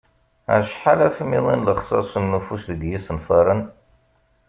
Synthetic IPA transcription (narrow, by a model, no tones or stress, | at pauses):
æ̰ʃħalæfəmiðˤinləχsˤɑ̰sˤənːufusðəɡ̪jisənfɑɾˤən